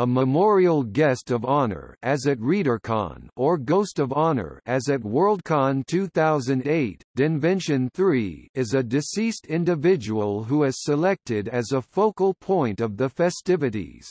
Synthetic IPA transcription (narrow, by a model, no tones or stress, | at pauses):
əməmɔɹil̩ˠɡɛstʌvɑnə̰˞ɨzɨt̚ɹiɾə˞kʰɑ̰̃nə˞ɡoʊstʌvɑnə̰˞ɨzɨt̚wɜ˞lˠd̚kʰɑ̃ntʰʉθaʊzɨ̃ndeɪtd̥ɨ̃nvɛ̃nʃɨ̃nθɹiɪzɨdɨsistɪ̃ndɨvɪd͡ʒəwəl̩ˠɦuɨz̥səlɛk̚tɪɾɨzəfoʊkl̩ˠpʰɔ̃ɪ̃ntʌvðɨfɛstɪvɨɾḭz̥